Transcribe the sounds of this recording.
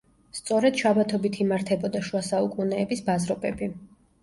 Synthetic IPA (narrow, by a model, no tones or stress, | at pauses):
st̪sʼɔɾɛd̪̥ʃabat̪ʰɔbit̪ʰimaɾt̪ʰɛbɔd̪aʃwasaukʼunɛːbisbazɾɔbɛbi